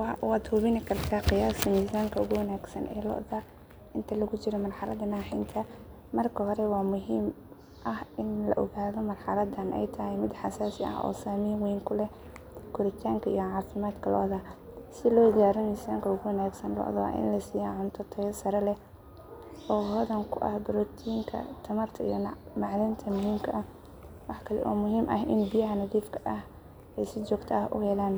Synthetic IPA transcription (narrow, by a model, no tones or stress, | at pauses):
waːd̪hʊβɪnɪkʰɐrt̪ʰaːqɪjaːsmiːsaːŋkʰɐʊɣʊwɐnaːɡsɐ̰nʔɛ̰ːlɔ̰ʔðaː | ʔɪnt̪ʰɐlɐɣʊt͡ʃɪɾɔmɐrħɑlɐ̰d̪ɐnaːħɪnt̪ʰɐ | mɐrkʰɐɦɔɾɛwɑːmʊɦiːm | ʔɐhɪnlɐ̰ʔɔɣaːðɔmɐrħɑlɐd̪ɐnʔɛ̰jt̪ʰɐɦɛjmɪd̪ħɑsaːsɪɐ̰hɔ̰ːsaːmiːmwɛːŋkʰʊlɛ | kʰʊɾɪt̪ʰaːŋkʰɐḭjɔʕɑːfɪmaːd̪kʰɐlɔ̰ʔðaː | sɪlɔːɡaːɾɔmiːsaːŋkʰɐʊɣʊwɐnaːɡsɐnlɔ̰ʔðwa̰ːʔɪ̰nlɐsiːjaːʕʊnt̪ʰɔt̪ʰɛjɐsɐɾɛlɛ | ʔɔːwɔðɐŋkʰʊʔɐ̰hbʊɾɔːt̪ʰijɪŋkʰɐ̰t̪ʰɐmɐrt̪ʰɐḭjɔmɑʕlɪnt̪ʰɐmʊɦiːmkʰɐʔɐ | wɑħkʰɐlɛ̰ʔɔːmʊɦiːmʔɐ̰ɦʔɪ̰nbɪjɐɦɐnɐðiːfkʰɐʔɐh | ʔɛjsɪt͡ʃɔːɡt̪ʰaʔʊ̰hɛlaːn